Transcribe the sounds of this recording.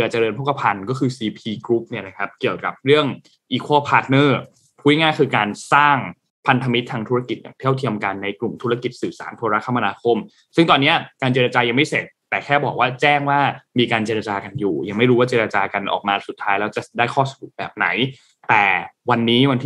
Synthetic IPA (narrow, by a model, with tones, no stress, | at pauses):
ʔaː˨˩t͡ɕa˨ɾɤː˧npʰo˦˥ka˧pʰa˧nkɔː˥˩kʰɯː˧siː˧pʰiː˧kɾu˦˥p̚ni˥˩na˦˥kʰa˦˥p̚ki˨˩əwka˨˩p̚ɾɯ˥˩əŋ | ʔiː˧kʰoː˥˩pʰaː˦˥t̪̚nɤː˥˩ | pʰu˦˥jŋaː˥˩kʰɯː˧kaː˧nsaː˥˩ŋ | pʰa˧nt̪ʰa˧mi˦˥t̪ʰːaː˧ŋt̪ʰu˦˥ɾa˧˩ki˨˩t̪̚ja̰ː˨˩ŋt̪ʰi˥˩əwt̪ʰi˧əmka˧nːa˧jklu˨˩mt̪ʰu˦˥ɾa˧ki˨˩t̪̚sɯː˨˩sa̰ː˩˦npʰo˧ɾa˦˥kʰːa˧mʔa˧naː˧kʰo˧˩m | sɯ˥˩ŋt̪ɔː˧nːi˦˥ɐkaː˧nt͡ɕeː˧ɾa˧t͡ɕaː˧ja˧ŋma˥˩jse˨˩t̪̚ːɛː˨˩kʰɛː˥˩bɔː˨˩k̚waː˥˩t͡ɕɛː˥˩ŋwaː˥˩miː˧kaː˧nt͡ɕeː˧ɾa˧t͡ɕaː˧ka˧njṵː˨˩ja˧ŋma˥˩jɾu˦waː˥˩t͡ɕeː˧ɾa˧t͡ɕaː˧ka˧nʔɔ̰ː˨˩k̚maː˧su˨˩t̪ʰːaː˦˥jlɛː˦˥wt͡ɕa˨˩daː˥˩jkʰɔː˥˩sbu˨˩bɛ̰ː˨˩p̚na̰˩˦j | t̪ɛː˨˩wa˧nːiː˦˥wa˧nt̪ʰː